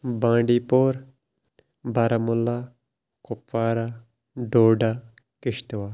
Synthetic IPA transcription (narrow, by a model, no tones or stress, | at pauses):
bãːɳɖiːpoːɾ | baɾamʊlːaː | kʊpːaːɾa | ɖoːɖaː | kɪʃt̪ʋaː